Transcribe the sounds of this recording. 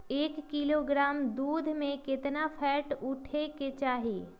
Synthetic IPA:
eːkːiloːɡɾaːmd̪uːd̪ʱmẽkɪt̪napʰɛːʈʊʈʰeket͡ʃaːɦiḛː

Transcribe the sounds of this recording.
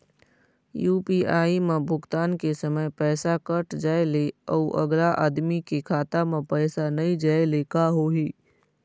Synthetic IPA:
juːpiːaːimẽbʱʊɡt̪aːnkesəməjpɛːsakəʈd͡ʒaːeleɔuʔə̰ɡlaʔaːd̪mikekʰaːt̪amẽpɛːsanɐĩd͡ʒaːelekaɦoːɦiː

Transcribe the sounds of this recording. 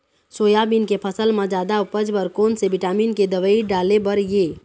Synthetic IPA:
soːjabinkepʰəsəlmãd͡ʒaːd̪aʊpəd͡ʒbəɾkoːnsebɪʈaːmiːnked̪əʋəiɖaːlebəɾje

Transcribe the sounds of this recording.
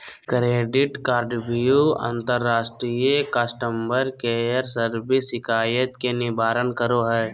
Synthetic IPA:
kɾeːɖɪʈkaːɾɖbijuã̰nt̪əɾːaːsʈɾijəkasʈəmbəɾkeəɾsəɾbɪsɪkʰaːjət̪kenɪbaːɾənkəɾoɦɛː

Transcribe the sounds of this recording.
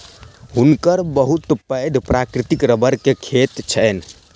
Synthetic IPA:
ɦunkəɾbəɦut̪pəjd̪ʱpɾakɾit̪ikɾəbəɾkekʰet̪t͡ʃʰən

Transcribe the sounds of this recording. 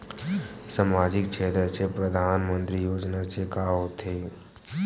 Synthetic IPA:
səmaːd͡ʒɪk̚t͡ʃʰeːt̪ɾət͡ʃepɾəd̪ʱaːnmə̃nt̪ɾijoːd͡ʒnat͡ʃekaːot̪ʰeː

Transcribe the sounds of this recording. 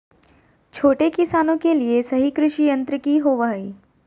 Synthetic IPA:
t͡ʃʰoːʈekɪsaːnõkeliesɐɦikɾɪʃijə̃nt̪ɾəkiɦoːʋaːiː

